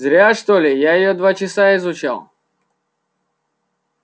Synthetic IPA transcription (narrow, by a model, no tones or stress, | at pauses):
zɾʲaʂt̪olʲɪjajɪjod̪vat͡ɕɪsaɪzʊt͡ɕa̰lˠ